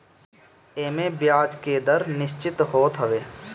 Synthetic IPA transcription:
eːmẽːbjaːd͡ʒkeːd̪əɾnɪʃt͡ʃɪt̪ɦoːt̪ɦəʋeː

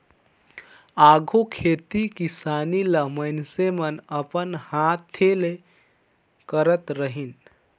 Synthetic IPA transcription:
aɡʱokʰet̪ikisaniləmənsemənəpənhat̪ʰːele | kəɾət̪ɾəɦin

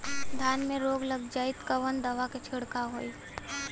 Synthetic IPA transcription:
d̪ʱjaːnmẽɾoːɡlɐɡd͡ʒaːɪt̪kəʋənd̪ɐʋaket͡ʃʰɪɽkaɦo̰ːi

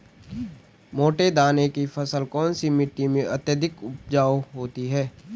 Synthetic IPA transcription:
moːʈed̪aːnekifʰɐsəlkɔːnsimɪʈːimẽʔɐt̪jəd̪ʱɪkʊp̚d͡ʒaːoɦoːt̪iɦɛː

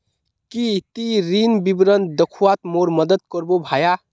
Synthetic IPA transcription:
kit̪iɾinbibɾənd̪əkʰuat̪moɾməd̪əd̪̚kəɾbobʱaja

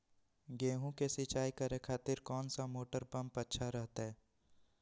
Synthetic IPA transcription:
ɡeːɦũkesɪt͡ʃaːikəɾekʰaːt̪ɪɾkɔːnsamoːʈəɾpɐ̃mpətːʃʰaɾɐɦt̪aɦɛː

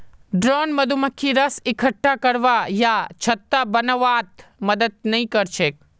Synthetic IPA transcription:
ɖɾonməd̪ʱuməkʰːiɾəsɪkʰəʈːakəɾʋajat͡ʃʰət̪ːabənəʋat̪məd̪əd̪̚nəɦĩkəɾt͡ʃʰek̚

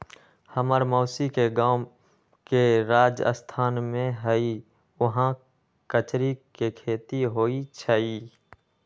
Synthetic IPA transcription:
həməɾmɔːsikeɡaːm | keɾaːd͡ʒə̰st̪ʰaːnmẽɦəi | ʊɦã | kət͡ʃɾikekʰeːt̪iɦoːit͡ʃʰaiː

